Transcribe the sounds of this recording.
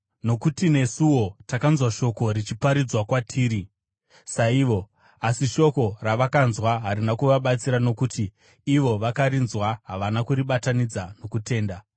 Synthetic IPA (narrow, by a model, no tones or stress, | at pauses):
no̞kutine̞suwo̞takanzwaʃo̞ko̞ɾit͡ʃipaɾid͡zwakwatʰiːɾi | saiʋo̞ | asiʃo̞ko̞raʋakanzwaɦaɾinakuʋaɓat͡siɾano̞kutʰiː | ʋo̞ʋakaɾinzwaɦaʋanakuɾiɓatanid͡zano̞kute̞ːnda